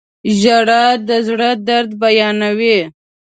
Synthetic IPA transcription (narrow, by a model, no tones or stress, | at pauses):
ʒaɽad̪əzɽəd̪aɾd̪bajɑnawe